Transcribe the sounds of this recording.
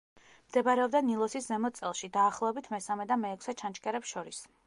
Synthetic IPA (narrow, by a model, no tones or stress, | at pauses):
md̪̥ɛbaɾɛɔbd̪anilˠɔsiszɛmɔt̪sʼɛlˠʃid̪aːχlˠɔɛbit̪ʰmɛsamɛd̪amɛːkʰʷsɛt͡ʃʰant͡ʃkʼɛɾɛpsʃɔɾis